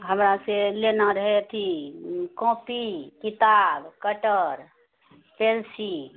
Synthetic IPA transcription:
ɦəmɾaselenaɾəɦɛt̪ʰikɔ̃pikit̪abkəʈəɾ | pʰelsi

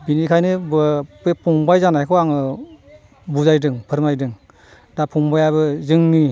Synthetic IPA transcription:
binikʰajnɯbɯbepʰuŋbajzanajkʰɔaŋɯ | buzajdɯŋpʰɯɾmajdɯŋ | dapʰuŋbajabɯzɯŋni

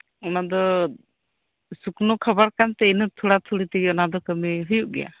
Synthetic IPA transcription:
ɔnad̪ɔ | suknɔkʰəbaɾkant̪ɛinət̪ʰuɽat̪ʰuɽit̪iɡɔnad̪ɔkəmiɦujuʔ̚ɡɛja̰

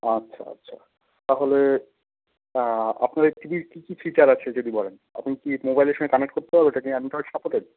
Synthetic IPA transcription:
atːɕʰa̰a̰tːɕʰa̰ | t̪aɦole | a̰pnaɾeʈibiɾkikifit͡ɕaɾat͡ɕʰed͡ʑod̪ibɔlen | a̰pnikimobajleɾʃɔŋɡekanekʈ̚koɾt̪eɦɔbeeʈakianʈɔʈsapoʈeɖ̚

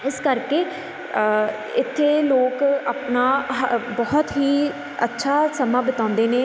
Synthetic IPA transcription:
ɪskəɾkeː | ɪt̪ʰːeːloːkaːpnaːbɔɦɔt̪ɦiː | ətːʃʰaːsəmãːbət̪ãːnd̪eːneː

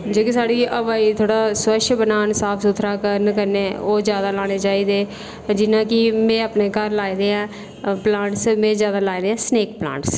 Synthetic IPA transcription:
d͡ʒoːkisaːɽiːʔəʋaːiːt̪ʰoːɽaːswəʃʰbənaːnsaːpʰsut̪ʰɾaːkəɾnkəɾneːoːd͡ʒjaːd̪aːlaːɽ̃eːt͡ʃaːiːd̪eː | d͡ʒɪnãːkɪmẽːaːpneːkəɾlaːid̪eːɛ̃ː | plãːɳʈsmẽːzjaːd̪aːlaːid̪eːɛ̃ːsneːk̚plã̰ːɳʈs

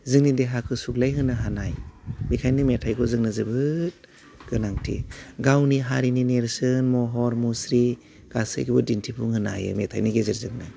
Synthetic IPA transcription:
zɯŋnideɦakʰɯsuklajɦɯnaɦanajbikʰajnɯmetʰajkʰɔzɯŋnɯzɯbɯt̚ | ɡ̥ɯnaŋtʰḭɡawniɦaɾinineɾsɯnmɔɦɔɾmusɾi | ɡ̥asɯ̰jkʰibɯdintʰipʰuŋhɯna̰jɯ̰metʰa̰jniɡezeɾzɯŋnɯ

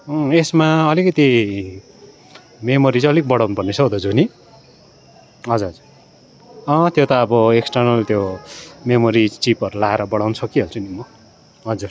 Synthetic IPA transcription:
ʌesmaʌlikʌt̪i | memoɾit͡sʌlik̚bʌɽawnupʌrnesʌd̪ʌd͡zuni | ɦʌd͡zuɾʌd͡zur | ʌ̃t̪jot̪ʌːbʌeksʈʌrnʌlt̪jomemoɾit͡sipʌɾulaɦeɾʌbʌɽawnsʰʌkiɦʌlt͡sunimʌ | ɦʌd͡zur

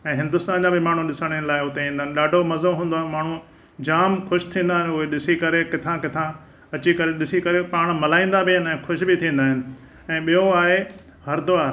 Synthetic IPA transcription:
ɛ̃ːɦɪ̃nd̪ʊst̪aːnd͡ʑãbɪmaːɳ̤ũɗɪsəɽ̃ənlaːɪʊt̪eĩːnd̪aɦɪnɪ̆ɗaːɖʱomɐzoɦũːnd̪oamaːɳ̤ũ | d͡ʑaːmkʰʊʃt̪ʰĩːn̆d̪aːɦɪnɪ̆ʊɦeɗɪsikɐɾekɪt̪ʰãkɪt̪ʰã | ɐt͡ɕikɐɾeɗɪsikɐɾepaːɽ̃mɐlaːĩːnd̪abʱɪɦɪnɛ̃ːkʰʊʃbɪt̪ʰĩːn̆d̪aːɦɪnɪ̆ | ɛ̃ːɓijoaːɦe | hɐɾd̪ʊʋaːɾ

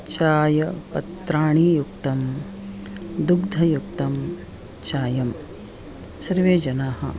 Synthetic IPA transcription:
t͡ʃaːjɐpɐt̪ɾaːɳiːjukt̪ɐm | d̪uɡd̪ʱɐjuk̚t̪ɐm | t͡ʃaːjɐm | sɐɾʋeːd͡ʒɐnaːɦɐ̰

